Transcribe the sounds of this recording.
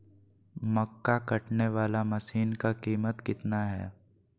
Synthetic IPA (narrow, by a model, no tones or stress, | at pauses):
mɐkːakɐʈneʋaːlamɐsiːnkakiːmət̪kɪt̪naɦɛ̰ː